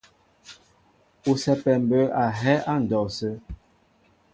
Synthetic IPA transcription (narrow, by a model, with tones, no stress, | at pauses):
u˨sɛ˨pɛ˨m˨bə˨˦a˨ɦɛ˦ʔa˦˨n̩˨dɔ˨sə˦